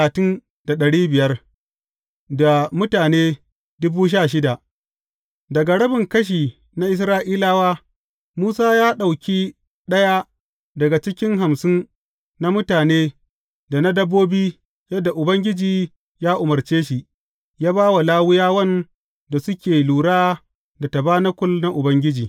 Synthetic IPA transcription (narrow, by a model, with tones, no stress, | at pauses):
a˨tɪ˦n | da˨ɗɐ˨ɽiː˦bɪ˨jɐ˦r | da˨mʊ˦taː˨neː˦ | dʊ˦buː˦ʃ̬aː˦˨ʃ̬ɪ˦da˨ʔ | dɐ˨ɡa˨ɽɐ˦bɪ˨ŋkɐ˦ʃ̬iː˨ | na˦ʔɪ˦sɾaː˦ʔiː˦laː˦waː˦ | muː˦saː˦jaː˦ɗa˨wkʲiː˦ | ɗɐ˦ja˦ | dɐ˨ɡa˨t͡ʃɪ˦kʲɪ˦ŋɦa˨msɪ˦n | na˦mʊ˦taː˨neː˦ | da˨na˦dɐ˦bːoː˦biː˦ | jɐ˦dːa˨ʔʊ˨bɐ˦ŋɡʲɪ˦d͡ʒiː˨ | jaː˦ʔʊ˨mɐ˨rt͡ʃeː˦ʃi˨ʔ | jaː˦baː˦wa˨laː˦wʊ˦jaː˦wɐ˦n | da˨sʊ˦kʲeː˨luː˨ɽaː˦ | da˨tɐ˨baː˦nɐ˦kʷʊ˦lna˦ʔʊ˨bɐ˦ŋɡʲɪ˦d͡ʒiː˨